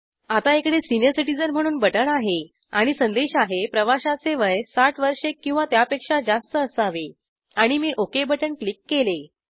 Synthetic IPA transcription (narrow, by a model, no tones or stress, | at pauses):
at̪aekɽesinjəɾsiʈid͡zənm̤əɽ̃uːnbəʈəɳaɦe | aɽ̃isənd̪eɕaɦepɾəʋaɕat͡seʋəjsaʈʋəɾʂekːĩw̃ʋat̪japekʂad͡zast̪əːsaʋe | aɽ̃imiʔokebəʈəɳklikːele